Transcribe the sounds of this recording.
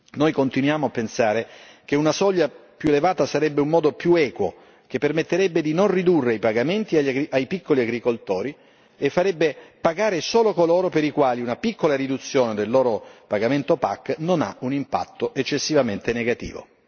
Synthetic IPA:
nojkont̪inwjaːmoapːensaːɾek̟eunasɔʎːapjuelevaːt̪asaɾɛbːeummɔːd̪opjuɛːkwo̰ | k̟epːermet̪ːeɾɛbːed̪inonrid̪urːeajpaɡament̪iaaɡɾiʔajpikːoliaɡɾikolt̪oːɾi | efːaɾɛbːepaɡaːɾesoːlokoloːɾopeɾikwaːliunapikːolaɾid̪ut̪sːjoːned̪elːoːɾopaɡament̪opa̰kːnona̰unimpa̰t̪ːoʔet͡ʃːesːivament̪eneɡat̪ḭːvo̰

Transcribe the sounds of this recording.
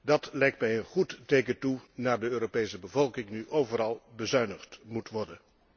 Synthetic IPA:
dɑtlɛjktmɛjənχuttejkətunaːɹdəøːɾopejsəbəvɔlˠkɪŋnyʔowvəɾɑlˠbəzœɥnəχtmutʋɔɹdən

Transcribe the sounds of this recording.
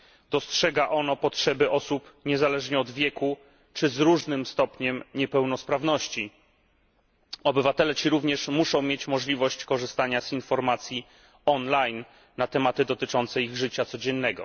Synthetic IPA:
d̪̥ɔstʂɛɡaʔɔnɔpɔtʂɛbɘʔɔsupɲɛzalɛʐɲɛɔd̪vʲjɛku | t͡ʂɘzɾuʐnɘmst̪ɔpɲɛmɲɛpɛwnɔspɾavnɔɕt͡ɕi | ɔbɘvat̪ɛlɛt͡ɕiɾuvɲɛʂmuʂɔ̃w̃mjet͡ɕmɔʐlʲivɔɕt͡ɕkɔʐɘst̪aɲazinfɔɾmat̪sʲji | ɔnlajnː | at̪ɛmat̪ɘd̪ɔt̪ɘt͡ʂɔnt̪sɛiɣʐɘt͡ɕat̪sɔd͡ʑɛnːɛɡɔ̰

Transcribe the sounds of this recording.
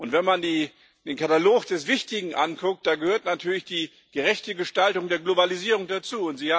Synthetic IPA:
ʔʊntv̥ɛnmandiː | d̥eːnkʰataloːkd̥ɛsv̥ɪçtɪɡŋ̩ʔa̰nkʰʊk̚t̚d̥aːɡəhøːɐtnatʰyːɐlɪçd̥iː | ɡ̥əʁɛçtəɡəʃtaltʊŋdeːɐɡlobaliziːʁʊŋdat͡suːʊntz̥iːa

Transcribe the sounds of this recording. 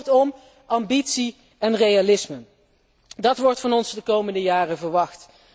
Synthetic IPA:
rtɔm | ʔɑmbitsi | ɛnrejalɪsmə | dɑtʋɔɹtfɑnɔnsdəkowməndəjaːrəvəɹʋɑxt

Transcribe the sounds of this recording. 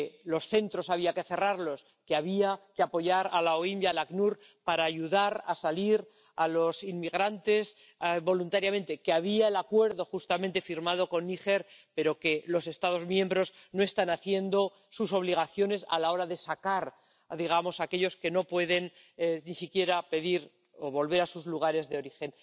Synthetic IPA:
lo̞sθe̞nt̪ɾo̞saβ̞iake̞θe̞raɾlo̞s | keaβiakeapo̞ʝaɾalaoimbjalaknuɾ | paɾaːʝuðaɾa̰saliɾ | alo̞sinmiɣɾant̪e̞s | bo̞lunt̪aɾjamẽ̞nt̪e̞keaβ̞iae̞lakwe̞ɾðo̞xust̪amẽnt̪e̞fiɾmað̞o̞ko̞nːixe̞ɾpe̞ɾo̞ke̞lo̞se̞st̪að̞o̞zmjẽ̞mbɾo̞sno̞e̞st̪anaθje̞nd̪o̞ | suso̞β̞liɣ̞aθjo̞ne̞sa̰lao̞ɾaðe̞sakaɾ | ðiɣ̞amo̞sake̞ʎo̞ske̞no̞pwe̞ðe̞n | nisikje̞ɾape̞ðiɾ | oβo̞lβe̞ɾasuzluɣ̞aɾe̞zðeo̞ɾixe̞n

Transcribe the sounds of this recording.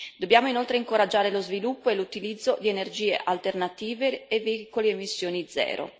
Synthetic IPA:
d̪objaːmoinolt̪ɾeiŋkoɾad͡ʒːaːɾelozvilupːoelut̪ilid̪zːod̪ienerd͡ʒiːḛʔalt̪ernat̪iːveːveikoleemisːjoːnid̪zɛ̰ːɾo̰

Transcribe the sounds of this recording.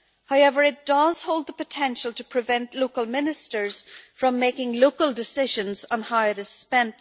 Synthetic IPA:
haʊɛvə˞ɪt̚d̥ʌz̥hoʊlˠd̪̚ðəpɨtʰɛ̃nʃəlˠtʰəpʰɹ̥ɨvɛ̃nʔloʊkəlˠmɪ̃nɨstə˞z̥fɹʌ̃mːeɪkɪ̃ŋloʊkəlˠdɪsɪʒə̃nzn̩haɪəðɨ̥spɛ̃n

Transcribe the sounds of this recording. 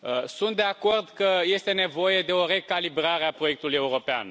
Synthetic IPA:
əsunt̪d̪e̞ako̞rd̪kəje̞st̪e̞ne̞vo̞je̞d̪e̞o̞ɾe̞kalibɾaɾeapɾo̞je̞k̚t̪uluje̞uɾo̞pea̰n

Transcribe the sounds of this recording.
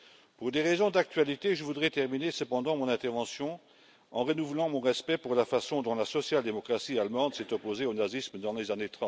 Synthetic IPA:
puʁd̪eʁezɔ̃d̪ak̚t̪ɥalit̪eʒəvud̪ʁɛt̪ɛʁminesəpɑ̃d̪ɑ̃mɔ̃nɛ̃t̪ɛʁvɑ̃sjɔ̃ | ɑ̃ʁənuvlɑ̃mɔ̃ʁɛspɛpuʁlafasɔ̃d̪ɔ̃lasɔsjald̪emɔkχasialmɑ̃d̪sɛt̪ɔpozeonazismd̪ɑ̃lezanet̪χɑ̃

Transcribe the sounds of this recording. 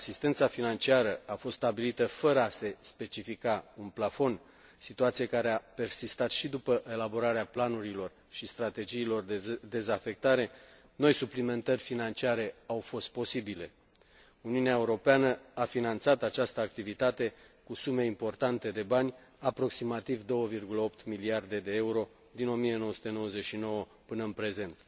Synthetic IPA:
asist̪e̞nt̪safinant͡ʃiaɾəafost̪st̪abilit̪əfəɾəase̞spe̞t͡ʃifikaunplafo̞n | sit̪uat̪siekaɾeape̞rsist̪at̪ʃid̪upəʔe̞labo̞ɾaɾeaplanuɾilo̞r | ʃist̪ɾat̪e̞d͡ʒiːlo̞rd̪ed̪e̞zafe̞k̚t̪aɾe̞ | no̞jsuplime̞nt̪ərʲfinant͡ʃiaɾe̞awfo̞st̪̚po̞sibile̞ | uniuneaeuɾo̞peanəafinant̪sat̪at͡ʃast̪əak̚t̪ivit̪at̪e̞kusume̞impo̞rt̪ant̪e̞d̪e̞banʲ | apɾo̞ksimat̪ivd̪o̞wəvirɡuləo̞p̚t̪miliard̪e̞d̪e̞euɾo̞ | d̪ino̞mie̞nowəsut̪e̞no̞wəzet͡ʃʃino̞wə | pɨnəɨnpɾe̞ze̞nt̪

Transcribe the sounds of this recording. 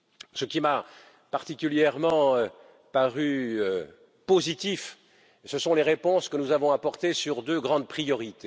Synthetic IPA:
səkʲima | paʁt̪ikʲyljɛʁmɑ̃ø | paʁyø | pozit̪if | səsɔ̃leʁepɔ̃skənuzavɔ̃apɔʁt̪esyʁd̪øɡʁɑ̃d̪pχijɔʁit̪e

